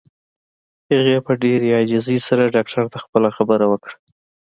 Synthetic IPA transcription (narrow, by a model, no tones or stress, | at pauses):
əɣepəɖeɾjɑd͡ʒɪzisaɾaɖɑk̚ʈʰaɾt̪axpəlaxabəɾawəkɽa